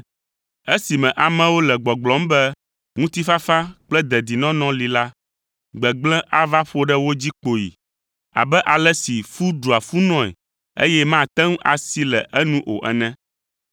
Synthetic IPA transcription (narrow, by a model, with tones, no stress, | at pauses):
e˦si˨mɛ̃˨ʔa˨mɛ̃˨wo˦lɛ˨ɡ͡bɔ˨ɡ͡blɔ̃˨˦m˦bɛ˦ | ŋũ˦t̪i˦fa˦fa˦k͡plɛ˦d̪ɛ˨d̪i˨nɔ̃˦nɔ̃˦li˨la˦ | ɡ͡bɛ˨ɡ͡blɛ̃˦ʔa˦va˦ɸo˦ɖɛ˦wo˦d͡ʑi˦k͡po˨jḭ˨ | a̰˨bɛ˦ʔa˨lɛ˦si˨fu˦ɖu˨a˨fu˦nɔ̃˦ɛ̰˨ | ḛ˦jɛ˦mã˦˨t̪ɛ̃˦ŋ˦ʔa̰˨si˦lɛ˨ʔɛ˦nũ˦ʔo̰˨ʔɛ̰˨nɛ̃˦